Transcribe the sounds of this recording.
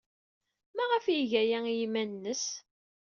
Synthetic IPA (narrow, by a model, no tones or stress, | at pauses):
mæʁəfjiʝæjæjimænnːəs